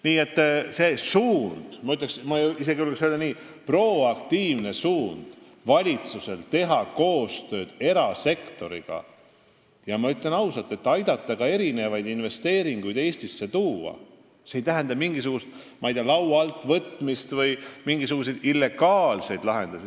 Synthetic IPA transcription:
niːe̞t̪ˑːse̞suːnd̪̥mɑyt̪leksmɑis̬e̞ɡiuleksøld̪eniː | pro̞ɑkt̪iːvne̞suːnd̪̥ | vɑlʲit̪suse̞lt̪e̞ɦɑko̞ːst̪ø̞ːd̪̥e̞ɾɑse̞kt̪o̞ɾḭɡ̥ɑ̰ | jɑmɑyt̪ˑle̞nɑwsɑlt̪ːˑe̞t̪ːɑjd̪̥ɑt̪ːˑɑɡ̥ɑe̞ɾine̞vɑjd̪inve̞st̪e̞ːɾiŋɡ̥ujd̪̥e̞ːsʲt̪isːe̞t̪uːɑ̰ | seejt̪æɦænd̪ɑmiŋɡisuɡ̥ust̪mɑjd̪iɑlɑwɑlt̪ːˑvɤt̪ːmist̪vɤjmiŋɡisuɡ̥us̬e̞jd̪̥ilːe̞ɡ̥ɑːlse̞jd̪̥lɑɦe̞nd̪̥ɑs

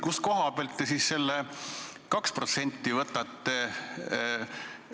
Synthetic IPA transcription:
kusko̞ɦɑb̥elt̪ːesiːsse̞lːekɑkspro̞t̪se̞nʲt̪ˑːivɤt̪ːˑɑt̪ːˑe

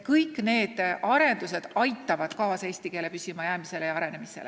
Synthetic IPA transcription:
kɯjkːˑne̞ːd̪̥ʔɑɾe̞nd̪use̞d̪̥ɑjt̪ːˑɑvɑd̪̥kɑːsɑeːst̪ikeːlepysimɑjæːmise̞lejɑɑɾe̞nemise̞̰le

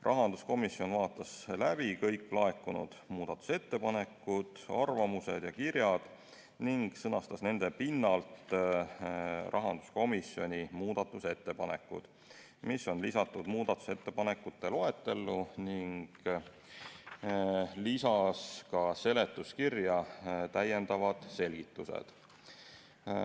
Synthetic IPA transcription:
rʔɑɦɑnd̪̥usko̞misːio̞nvɑːt̪ːˑɑslæb̥ikɤ̞jkːˑlɑe̞kːˑunṵd̪̥muːd̪̥ɑt̪ːˑu̥se̞t̪ːe̞pɑne̞kːˑud̪̥ɑ̰rvɑmuse̞̰d̪̥jɑkirjɑd̪̥ | niŋɡ̥sɤnɑst̪ɑsne̞nd̪̥epinːɑlt̪ | rʔɑɦɑnd̪̥u̥sko̞misio̞nʲimuːd̪̥ɑt̪ːˑuse̞t̪ːe̞pɑne̞̰kːˑṵd̪̥ | misːo̞nlisɑt̪ːud̪̥muːd̪ɑt̪ːˑu̥se̞t̪ːe̞pɑne̞kːˑut̪ːe̞lo̞et̪ːˑe̞lːuniŋɡ̥ | lisɑskɑse̞le̞t̪ːˑuskirjɑt̪æjːe̞nd̪̥ɑvɑd̪̥se̞lʲɡ̥it̪ːusḛd̪̥

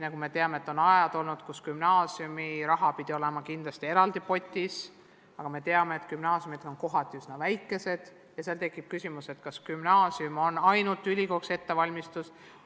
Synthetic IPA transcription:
nɑɡume̞t̪e̞ɑmeet̪ːˑo̞nɑjɑd̪̥o̞lnud̪̥kuskymnɑːsiumiɾɑɦɑpid̪̥io̞le̞mɑkind̪̥lɑst̪ie̞ɾɑld̪̥ipo̞t̪ʲːis | ɑɡ̥ɑme̞t̪e̞ɑme̞eːt̪kymnɑːsjumit̪onko̞ɦɑt̪ʲːˑiysnɑvæjkːˑe̞se̞d̪̥ | jɑselt̪e̞kːˑib̥̚kysimuse̞t̪kɑskymnɑːsiumo̞nɑjnult̪ːˑylʲiko̞kse̞t̪ːe̞vɑlʲmist̪us

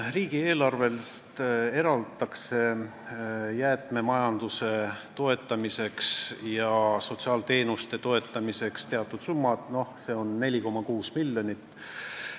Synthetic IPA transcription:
riːɡ̥ie̞ːlɑrve̞lst̪e̞ɾɑld̪t̪ɑkse̞ | jæːt̪me̞mɑjɑnd̪use̞t̪o̞e̞t̪ːˑɑmise̞ksjɑso̞t̪siɑːlt̪e̞ːnust̪e̞t̪o̞e̞t̪ːˑɑmise̞kst̪e̞ɑt̪ːˑud̪̥sumːɑd̪̥no̞hse̞ːo̞nːe̞lʲiko̞mːɑkuːsmilːjo̞nʲit̪ːˑ

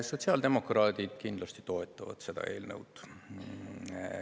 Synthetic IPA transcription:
so̞t̪ʲsiɑld̪e̞mo̞krɑːd̪̥id̪̥kind̪̥lɑst̪i̥t̪o̞e̞t̪ːˑɑvɑ̰d̪̥se̞d̪ɑ̰e̞ːlnəwd̪̥

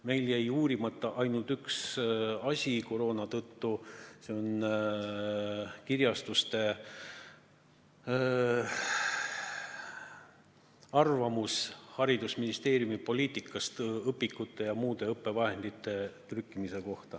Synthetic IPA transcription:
me̞jljæjuːɾimɑt̪ːˑɑʔɑjnult̪yksɑsʲiko̞ɾo̞ːnɑt̪ɤt̪ːuse̞o̞n | kirjɑst̪ust̪e̞ | ɑrvɑmushɑɾid̪̥usminist̪e̞ːɾjumipo̞lʲiːt̪ˑikːˑɑst̪ɤpːikːˑut̪ːˑe̞jɑmuːd̪̥e̞ɤpːˑe̞vɑhe̞nd̪̥it̪ːe̞t̪rykːˑimise̞ko̞ht̪ɑ

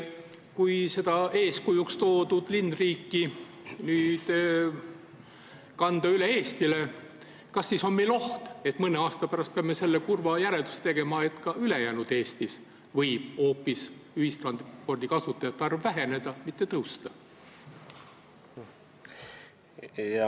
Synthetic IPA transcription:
kujse̞d̪ɑe̞ːskujukst̪o̞ːd̪̥ud̪̥linːriːkːi | nyːd̪̥ | kɑnd̪̥ɑyleeːst̪ile̞ | kɑsːiso̞nmejlo̞ht̪e̞t̪mɤneɑːst̪ɑpæɾɑst̪̚peɑmːese̞lːekurvɑjæɾeld̪u̥se̥t̪e̞ɡ̥e̞mɑe̞t̪kɑylejæːnud̪̥e̞ːst̪is | vɤjb̥o̞ːpːisyhist̪rɑnpo̞rd̪̥ikɑsut̪ːˑɑjɑt̪ːɑrvvæɦe̞ne̞d̪̥ɑmit̪ːˑet̪ɤwst̪ɑ

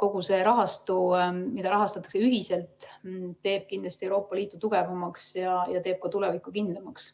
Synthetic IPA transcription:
ko̞ɡ̥use̞ɾɑɦɑst̪umid̪ɑɾɑɦɑst̪ɑt̪ːˑɑ̥kseyɦise̞lt̪ː | e̞ːb̥̚kind̪lɑst̪ie̞wɾo̞ːpːˑɑliːt̪ːˑut̪uɡ̥e̞vɑmɑksjɑjɑt̪e̞ːb̥̚kɑt̪ulevikːˑukind̪lemɑks

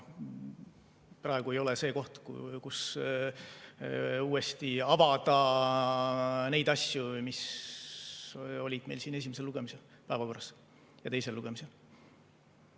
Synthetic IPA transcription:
prɑeɡ̥ue̞jo̞lese̞ːko̞ht̪kṵkus | uːest̪iɑvɑd̪̥ɑ | ne̞jd̪ɑsjumis | o̞lʲid̪̥me̞jlsiːnes̬imese̞lːuɡemise̞l | pæevɑko̞rɑs | jɑt̪e̞jselːuɡ̥e̞mise̞l

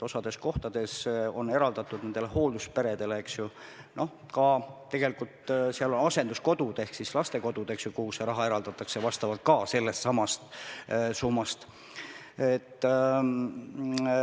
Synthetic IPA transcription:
o̞sɑd̪e̞sko̞ht̪ɑd̪̥e̞so̞ne̞ɾɑld̪̥ɑt̪ːˑud̪̥ne̞nd̪ele̞ho̞ːld̪uspe̞ɾe̞d̪e̞leeksjuno̞h | kɑt̪e̞ɡ̥e̞likult̪siɑlo̞nɑse̞nd̪usko̞d̪̥ud̪̥e̞hksislɑst̪e̞ko̞d̪̥ud̪e̞ksjukuhuseɾɑɦɑe̞ɾɑld̪ɑt̪ːˑɑksevɑst̪ɑvɑlt̪̚kɑːse̞lːe̞st̪sɑmɑst̪sumːɑst̪ | et̪ː

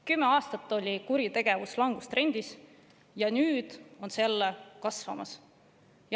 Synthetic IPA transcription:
kymːe̞ɑːst̪ɑt̪ːˑo̞lʲikuɾit̪e̞ɡ̥e̞vuslɑŋɡ̥ust̪re̞nʲd̪̥is | jɑnyːd̪̥o̞nselːekɑsvɑ̰mɑs | j

